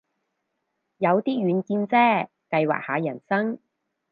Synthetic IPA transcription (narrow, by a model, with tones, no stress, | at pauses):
jɐ˨˧wt̪iː˥ɥyː˨˧nkiː˧nt͡sɛː˥ | kɐ˧jwa̰ː˨k̚ha̰ː˨˧jɐ˨˩nsɐ˥ŋ